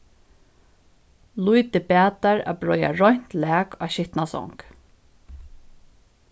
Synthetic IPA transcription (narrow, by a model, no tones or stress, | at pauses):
lujt̪ɪpæːt̪aɹa̰bɹɔja̰ɹɔjɲn̥t̪lɛːkaːɕɪht̪nasɔ̰ŋk